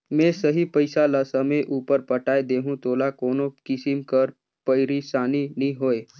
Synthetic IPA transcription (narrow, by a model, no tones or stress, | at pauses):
mɛ̃səɦipəɪsaləsəmeʔuːpəɾpəʈaːed̪eːɦũt̪oːlakoːnokɪsɪmkəɾ | pəɪɾisaːninĩɦoːeː